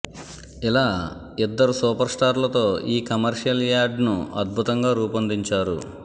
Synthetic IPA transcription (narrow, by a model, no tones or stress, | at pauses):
ilaː | id̪ːɐɾusuːpɐɾsʈaːɾlɐt̪o̞ːiːkɐmɐɾʂijɐljaːɾɖnuɐd̪̚bʱut̪ɐŋɡaːɾuːpɐnd̪iɲt͡ʃaːɾṵ